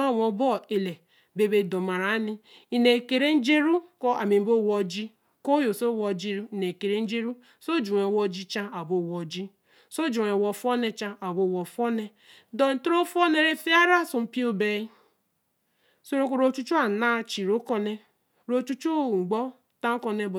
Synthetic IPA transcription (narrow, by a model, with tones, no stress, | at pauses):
a˦˨wɔ˨˦bɔ˦˨e˨le˨ | be˨be˨dɔ˨ma˨ɾa˨˦ni˦ | i˨ne˨ke˨ɾe˦n̩˦d͡ʒe˦ɾu˦kɔ˦a˨mi˨m̩˦bo˦˨wɔ˦d͡ʒi˦ | ko˦jo˨so˦˨wɔ˨d͡ʒi˦ɾne˨ke˨ɾe˦n̩˦d͡ʒe˦ɾu˦ | so˦d͡ʒu˨ŋe˨wɔ˦d͡ʒi˦t͡ʃa˦a˨bo˦˨wɔ˨d͡ʒi˦ | so˦d͡ʒu˨ŋe˨wɔ˨fɔ˦ne˦t͡ʃa˦ʔa˨bo˨wɔ˨fɔ˦ne˦ | dɔ˨n̩˨tu˦ɾo˦fɔ˦ne˦ɾe˦fi˦a˦ɾa˦su˨m̩˦pi˦o˦be˨i˦ | so˦ɾo˦ko˨ɾo˨t͡ʃu˦t͡ʃu˦a˨na˦˨t͡ʃi˨ɾo˦kɔ˦ne˦ | ɾo˦t͡ʃu˦t͡ʃu˦˨ŋ̩˨ɡ͡bɔ˦ | ta˦kɔ˨ne˦b